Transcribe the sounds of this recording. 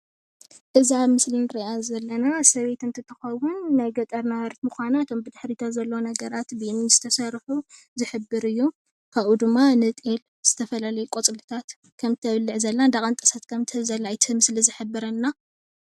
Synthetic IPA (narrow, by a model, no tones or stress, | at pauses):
ʔɨziaβmɨslinɨɾiʔazɐlːɐnasɐβe̞t̪ɨnt̪ʰɨt̪ʰːɨ̥xɐwʊnːajɡɐt̪ʼɐɾnawɐɾt̪muxʷanaɨt̪ʰo̞mbɨd̪ɨħɾit̪ʰazɐlːownɐɡɐɾat̪bɨmɨnz̥ɨ̥t̪ʰɐsɐɾħu | zɨħɨbːɨɾɨjːu | kʰaβʔud̪ɨmːanɨt̪ʼel | z̥ɨt̪ʰɐfɐlalɐjukʼot͡sʼlɨt̪ʰat̪ | kʰɐmt̪ʰɐβlːɨʕzɐlːand̪akʼɐnt̪ʼɐsat̪kʰɐmt̪ʰɨzɐlːajt̪ʰɨmɨslizɨħɨbːɨɾɐnːa